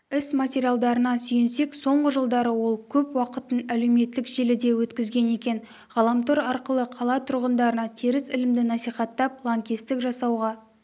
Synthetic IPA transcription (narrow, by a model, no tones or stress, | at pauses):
ɪsmatʲeɾʲijalˠd̪ɑɾənɑsʏjɪnse̞kso̞ɴʁəʒəlˠd̪ɑɾəwo̞lˠkʲʰɵpwɑqət̪ənæle̞wme̞t̪ːɪkʒe̞lɪd̪e̞wɵt̪kʲɪzɡʲe̞ne̞kʲe̞n | ʁɑlˠɑmt̪oɾɑɾqəlˠəqʰɑlˠɑt̪ʰʊɾʁənd̪ɑɾənɑt̪ʰeɾɪsɪlɪmd̪ɪnɑsijχɑt̪ːɑp̚lˠaŋkʲist̪ɪkʒɑsɑwʁɑ